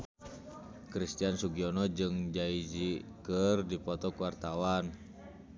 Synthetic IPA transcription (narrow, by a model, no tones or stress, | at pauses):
kɾist̪iansuɡiɔnɔd͡ʒɨŋd͡ʒaid͡ʒikərdipɔt̪ɔkuwart̪awan